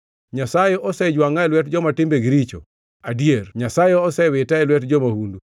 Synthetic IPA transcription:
ɲasajeʔɔsɛd͡ʒwaŋaɛlwɛtd͡ʒɔmatɪmbeɡɪɾit͡ʃo̰ | adjerɲasajeɔsɛwɪtaɛlwɛtd͡ʒɔmahundu

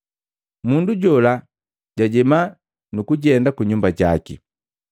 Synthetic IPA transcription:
munduɟɔla | ɟaɟɛma | nukuɟɛndakuɲumbaɟaki

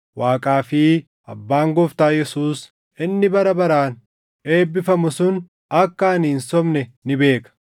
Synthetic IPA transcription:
waːkʼaːfɪ | ɐ̰bːaːŋɡɔft̪aːjɛsuːs | ɪnːɪbɐɾɐbɐɾaːn | e̞ːbːɪfɐmʊsʊn | ɐkːɐɐniːnsɔmnɛnɪbe̞ːkɐ̥

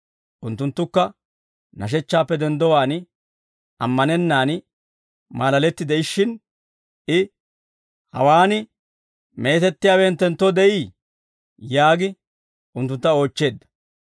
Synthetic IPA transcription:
ʔʊnt̪ːʊnt̪ːʊkːɐ | nɐʃ̬ɛt͡ʃːaːpːɛd̪ɛnd̪ɔwaːn | ʔɐmːɐnɛnːaːn | maːlɐlɛt̪ːɪd̪ɛɪʃːɪn | ɪ | hɐ̰waːnɪ | me̞ːt̪ɛt̪ːɪjaːwɛːnt̪ːɛnt̪ːɔd̪ɛʔiː | jaːɡɪ | ʊnt̪ːʊnt̪ːɐo̞ːt͡ʃːe̞ːd̪ːɐ̥

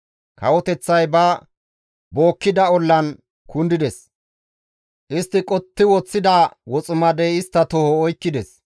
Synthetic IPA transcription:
kɐwɔt̪ɛt͡sːɐjbɐ | bo̞ːkːɪd̪ɐɔlːɐn | kʊnd̪ɪd̪ɛs | ʔɪst̪ːɪkʼɔt̪ːɪwɔt͡sːɪd̪awɔt͡sʼʊmɐd̪ɛɪst̪ːɐt̪ɔhɔːjkːɪd̪ɛs

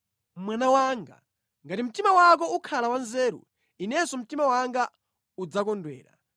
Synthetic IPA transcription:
mwanawaŋɡa̰ | ŋɡatim̩timawak̬ɔukʰalawanzɛːɾṵ | inɛsɔm̩timawaŋɡa | ud͡zakɔndwɛ̰ːɾa̰

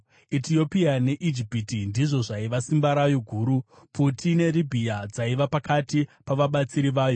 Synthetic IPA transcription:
itio̞piane̞ʔid͡ʒipitindiʐo̞ʐaiʋasimbaɾajo̞ɡʱuːɾu | pʰutʰine̞ɾibʱiad͡zaiʋapakatipaʋaɓat͡siɾiʋaːjo̞

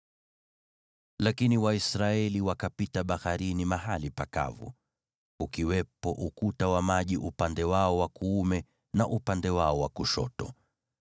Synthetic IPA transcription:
lakiniwaisɾaɛliwakapitaɓahaɾinimaɦalipaka̰vṵ | ukiwɛpɔʔukutawamaʄiʔupandɛwaɔwakuumɛ | naʔupandɛwaɔwakuʃɔ̰tɔ̰

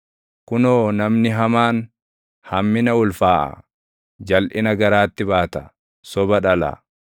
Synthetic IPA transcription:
kʊnoːnɐmnɪɦɐmaːn | hɐmːɪnɐʊlfaːʔɐ̰ | d͡ʒɐlʔɪnɐɡɐɾaːt̪ːɪbaːt̪ɐ̥ | sɔbɐᶑɐlɐ̰

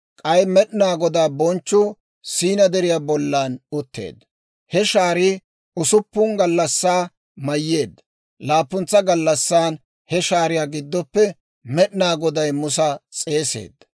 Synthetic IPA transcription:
kʼɐjmɛɗɪnaːɡɔd̪aːbɔnt͡ʃːʊ | siːnɐd̪ɛɾɪjaːbɔlːaːnʊt̪ːḛːd̪ːɐ | hɛʃaːɾɪ | ʊsʊpːʊŋɡɐlːɐsːaː | mɐjːe̞ːd̪ːɐ | laːpːʊnt͡sːɐɡɐlːɐsːaːn | hɛʃaːɾɪjaːɡɪd̪ːɔpːɛ | mɛɗɪnaːɡɔd̪ɐjmʊsɐt͡sʼe̞ːsḛːd̪ːɐ

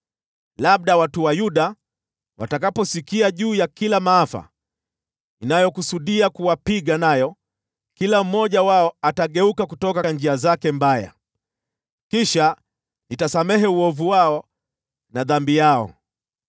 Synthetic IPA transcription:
laɓ̚ɗawatuwajuɗa | wa̰takapɔsikiaʄuːjakilamaafa̰ | inajɔkusuɗiakuwapiɠanajɔ | kilam̩mːɔʄawaɔataɠɛukakutɔkand͡ʒiazakɛmbaja̰ | kiʃa | nitasamɛɦɛuɔvuwaɔ | naðambijaɔ̰

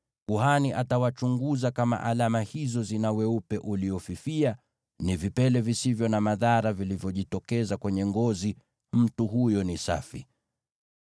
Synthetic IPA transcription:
kuhaniʔatawat͡ʃuŋɡuzakama̰ʔalamahizɔzinawɛupɛʔuliɔfifia | nivipɛlɛvisivjɔnamaðaɾavilivjɔʄitɔkɛzakwɛɲɛŋɡɔzi | m̩tuɦujɔnisa̰fi

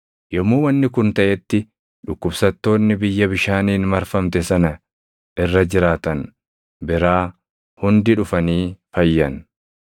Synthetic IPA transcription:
jɔmːuːwɐnːɪkʊnt̪ɐʔɛt̪ːɪ | ᶑʊkːʊbsɐt̪ːo̞ːnːɪbɪjːɐbɪʃaːniːnmɐɾfɐmt̪ɛsɐnɐ | ʔɪrːɐd͡ʒɪɾaːt̪ɐn | bɪɾaː | hʊnd̪ɪᶑʊfɐniːfɐjːɐn

